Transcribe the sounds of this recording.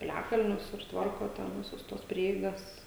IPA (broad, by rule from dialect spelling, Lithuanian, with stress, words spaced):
pʲɪˈlʲæːkɐlʲnʲʊs ɪr ˈtʋɐrkoː tʲɛn ˈʋʲɪsʊs ˈtuɔs ˈpʲrʲiɛɪɡɐs